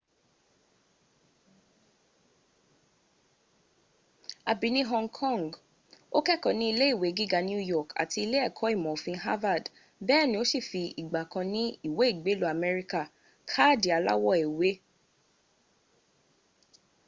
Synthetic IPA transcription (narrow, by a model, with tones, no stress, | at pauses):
a˨bi˧˦nĩ˦ɦɔ̃˦˧ŋkʰɔ̃˦˨ŋɡ | o˦kɛ˦˨kɔ̃˨nĩ˦i˧le˦i˦˨we˨˦ɡi˦ɡa˧ñ˦u˦jɔ˦˨ka̰˨ti˧i˧le˦ɛ˦˨kʰɔ˨˦i˦˨mɔ̃˨fĩ˧ɦa˦va˦˨d | bɛ˦˨nĩ˧˦o˦si˦˨fi˧i˨ɡ͡ba˨kã˧nĩ˦i˦˨we˨˦i˦˨ɡ͡be˨˦lu˦a˨mɛ˧ɾi˧ka˦˨ | kʰa˦˨di˨˦a˧la̰˦wɔ˦˨ɛ˨we˨˦